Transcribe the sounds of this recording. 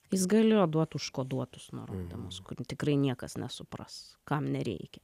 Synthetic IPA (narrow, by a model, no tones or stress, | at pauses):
jɪsɡɐlʲɪjoːd̪uɔt̪ʊʃkoːd̪uɔt̪ʊsnʊ̰ɾoːd̪ʲɪmʊskʊrt̪ʲɪkɾɐɪnʲiɛkɐsnʲɛsʊprɐ̰skɐmnʲɛɾʲɛ̰ɪkʲɛ